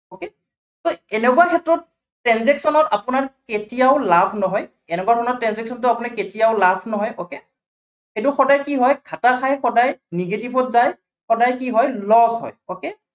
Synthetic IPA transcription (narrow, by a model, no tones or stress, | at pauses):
oke | toɛnɛkuwakʰɛtɹɔt̚ː | ɹɛnzɛksɔnɔtapʊnaɹketijaʊlapʰnɔɦɔj | ɛnɛkuakɔnɔtɹɛnzɛksɔntʊapʊnaketijaʊlabʰnɔɦɔjʔɔke | xejt̬ʊxɔdajkiɦɔjkʰataxʰajxɔdajniɡetibʰʱɔtzaj | xɔdajkiɦɔjlɔzɦɔ̰jɔke